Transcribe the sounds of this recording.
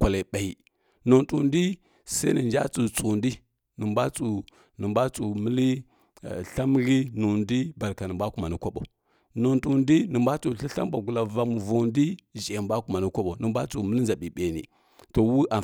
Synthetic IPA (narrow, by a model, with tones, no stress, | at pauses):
kʷa˨la˨ɓa˨i˨ | no˨ntu˨ndi˦ | sa˦i˦ni˨nd͡ʒa̰˦t͡su˨t͡su˨ndi˦ | nə˨mba˦t͡su˨ | nə˨mba˦t͡su˨mə˦li˦˨ | ɬa˦m˦ɣi˦nu˨ndi˦ba˨ɾka˨nə˨mba˦ku˨ma˨ni˦kʷa˦ɓo̰˨ | no˨ntu˨ndi˦nə˨mba˦t͡su˨ɬi˦ɬa̰˦mba˨ɡu˨la˨va˨m˨vo˨ndi˦ʒe˨ba˦ku˨ma˨ni˦kʷa˦ɓo˨nə˨mba˦t͡su˨mə˦li˦nza˨ɓi˨ɓe˨nḭ˨ | to˨wu˦ʔa˨